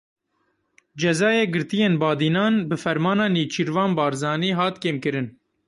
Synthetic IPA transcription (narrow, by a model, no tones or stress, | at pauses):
d͡ʒɛzɑːjeːɡɨɾt̪ijeːnbɑːd̪iːnɑːnbɨfɛɾmɑːnɑːniːt͡ʃʰiɾvɑːnbɑːɾzɑːniːɦɑːt̪keːmkɨɾɨn